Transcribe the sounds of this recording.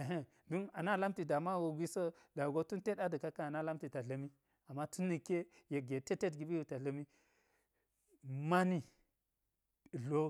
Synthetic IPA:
e˨ɦe˦ | du˦na˨na˦˨la˦mti˨da˨ma˦˨wo˨ɡʷi˦so˦ | da˨ɡo˦tu˦nte˦ta˦də˨ka˦ka˦a˨na˦la˦mti˨ta˨ɬə˦mi˦ | a˨mːa˦tu˦nːi˨ke˦je˨ɡe˨te˦tːe˦tɡi˨bi˦ju˨ta˨ɬə˦mi˦ | ma˦ni˨ | lo˦

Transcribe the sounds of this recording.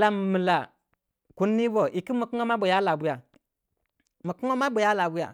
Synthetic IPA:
la˨m˨mi˨la˨ | ku˦nːi˦bo˨ʔi˨ki˦mu˨ki˦ŋo˦ma˦bo˨ja˦la˨bu˦ja˨ | mu˨ki˦ŋo˦ma˦bo˨ja˦la˨bu˦ja̰˨

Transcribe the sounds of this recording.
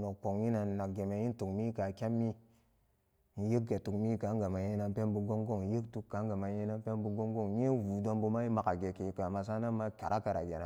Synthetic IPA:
no˨k̚k͡po˨ŋji˦na˨n˨na˨kɡe˨me˨ji˦n˦tu˨kmi˦ka˨ke˦mːi˦˨˦ | je˦k̚ɡe˨tu˨kmi˦ka˨˦ŋ˦ɡa˨ma˨je˦na˨npe˦nbu˨ɡo˦ŋɡo˦ŋ˨je˦ktu˨kːa˨˦ŋɡa˨ma˨je˦na˦npe˦nbu˨ɡo˦ŋɡo˦ŋ˨ɲe˦vu˨do˦nbu˧ma˦ji˦ma˨ka˨ɡe˨ke˨ka˨ma˨sa˦na˦ma˦kʲa̰˨ɾʔa˦ka˨ɾa̰˨ɡe˨na˨

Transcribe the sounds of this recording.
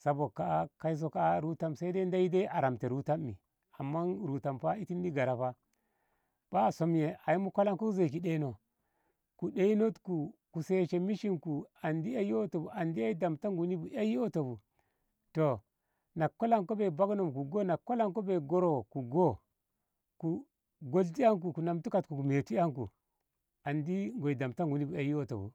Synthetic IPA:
sa˦bo˨ka˦ka˦i˦s̬o˦ka˦ɾu˦ta˦mse˦i˦de˦n˦da˦i˦de˦a˨ɾa˨mte˨ɾu˦ta˦mːḭ˨ | a˨mːa˦nɾu˨ta˨mɸa˦i˦ti˦ndi˦ɡa˨ɾa˨ɸa˦ | b̥a˦˨so˦mje˨ʔa˨ji˦mu˦ko˦la˦ŋko˦ze˨k̬i˨ɗe˦no˨ | ku˨ɗe˦i˦no˦tku˨ku˨se˦˨t͡ʃe˨mi˦ʃi˦ŋku˨a˨ndi˦a˦ji˦o˦to˨bu˨ʔa˨ndi˦a˦i˦da˨mta˦ŋɡu˨ni˦bu˨a˦ji˦o˦to˨bu˨ | to˨ | na˨kːo˦la˦˨ŋko˦be˨ba˦ɡno˨mku˨ɡo˦na˨kːo˦la˦ŋko˦be˨ɡo˦ɾo˨ku˨ɡo˦ | ku˨ | ɡo˦lt̬i˦a˦ŋk̬u˨ku˨na˨mtu˦ka˨tku˨ku˨me˨tu˦a˦ŋkṵ˨ | a˨ndi˦ŋɡo˨i˨da˨mta˦ŋɡu˨ni˦bu˨a˨ji˦o˦to˨bṵ˨

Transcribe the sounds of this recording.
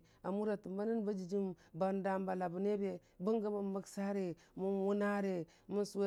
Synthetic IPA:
a˨mu˦ɾa˨tu˨mba˦ni˦nba˦d͡ʒi˨d͡ʒi˦mba˨nda˦mba˨la˨bu˨ne˦be˦ | bə˦ŋɡa˦ma˨ma˦ksa˦ɾe˨ | mu˦nwu˦na˦ɾe˨ | mu˦nsu˦we˦

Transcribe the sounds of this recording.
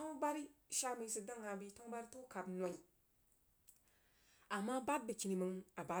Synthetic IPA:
o˦ŋ˦ba˦ɾi˦ʃa˦mə˨jsɨ˨da˦ŋa˨bi˨˦to˦ŋ˦ba˦ɾi˦to˦ka˨bnwa˨i˨ | a˨mːa˦ba˦t̚bə˨ki˨ni˨mə˨ŋa˨ba˨˦

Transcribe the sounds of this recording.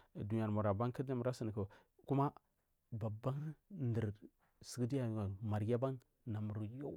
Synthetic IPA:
du˨n˨a˨ɾmu˨ɾa˨ba˦ŋki˦i˦mu˨ɾa˦si˨n˨ko˨ | ku˦ma˦ | ba˨ba˦ŋ˦ndə˨ɾ | sə˨ɡdi˦ja˦˨ma˨ɾja˦ba˦ŋ | na˨mu˨ɾjo˦

